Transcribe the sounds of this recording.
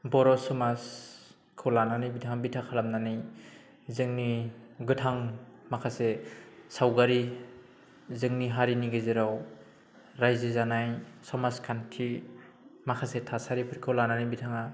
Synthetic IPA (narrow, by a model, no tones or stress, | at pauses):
bɔɾɔsɔmas | kʰɯwlananijbitʰaŋabitʰakʰalamnanij | zɯŋniɡɯtʰaŋmakʰasesawɡaɾi | zɯŋniɦaɾiniɡɯziɾaw | ɾajzezanajsɔmaskʰankʰi | makʰasetʰasaɾipʰɯɾkʰɯwlananibitʰaŋa